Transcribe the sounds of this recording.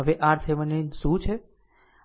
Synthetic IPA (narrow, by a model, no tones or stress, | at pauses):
əʋeʔaɾt̪ʰemənesũt͡ʃʰe